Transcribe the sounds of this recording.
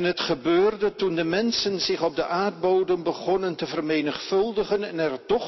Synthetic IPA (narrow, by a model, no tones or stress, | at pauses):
nɦətχəbøːrdətundəmɛnsənzɪχɔb̚dəʔaːɹd̚bowdənbəχɔnəntəvərmejnəχfɵlˠdəχənɛnɛrtɔχ